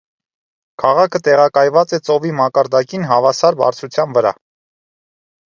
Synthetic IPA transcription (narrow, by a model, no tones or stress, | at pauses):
kʰɑʁɑkʰət̪ɛʁɑkɑjvɑt͡sɛt͡sɔvimɑkɑɾd̪ɑkinɦɑvɑsɑɾbɑ̰ɾt͡sʰut͡sʰjɑnvəɾɑ̰